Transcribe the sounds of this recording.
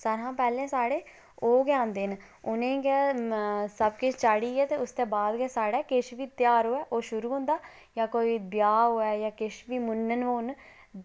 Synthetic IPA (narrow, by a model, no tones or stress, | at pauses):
səɾɦãːpɛːlẽːsaːɽeː | oːɡjãːnd̪ɪn | ʊnẽːkɛː | səbkɪt͡ʃt͡ʃaːɽiːɛːt̪eːʊst̪eːbaːd̪kɛːsaːɽɛːkɪʃʋiːt̪jaːɾoːɛːʔoːʃʊɾuːɦʊ̃ːnd̪aː | jãːkoːiːbjaːɦoːɛːjãːkɪʃʋiːmʊnːənʋoːn